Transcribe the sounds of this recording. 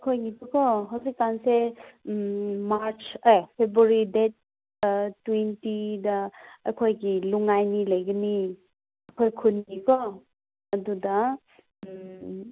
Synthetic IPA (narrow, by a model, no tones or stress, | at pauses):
kʰojɡitukɔɦawsikːanse | maɾt͡ʃajpʰebɾuɾidet̚ | tːwentidɐɐkʰojɡiluŋajniləjɡɐni | ɐkʰojkʰunɡikʰɔ | ɐdudɐ